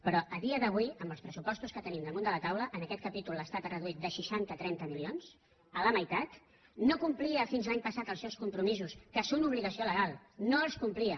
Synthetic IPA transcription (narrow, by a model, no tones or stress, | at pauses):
pɾɔʔəðiəðəβ̞uiəmbəlˠspɾəsupɔst̪uskət̪ənimd̪əmõnd̪ələt̪awləʔənəkɛt̪̚kəpit̪uləst̪at̪rəðuit̪̚d̪əʃiʃant̪ət̪ɾɛnt̪əmilions | ələməjt̪at̪ | nokumpliəfinzlaɲpəsat̪əlˠsɛwskumpɾumizuskəsunuβ̞liɣəsioləɣalˠnoəlˠskumpliə